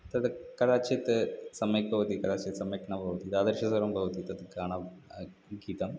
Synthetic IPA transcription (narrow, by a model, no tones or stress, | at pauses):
t̪ɐðɨkɐɽaːt͡ɕɐt̪ːɨsɐmekːɐʋɐt̪ikɐɽaːt͡ɕɐt̪ːsɐmekɐɳɐbʱɐʋɐt̪it̪aːd̪ɐɾʂɐsɐɾɐmbʱɐʋɐt̪it̪ɐðɨkaːɳɐ | ɡiːt̪ɐm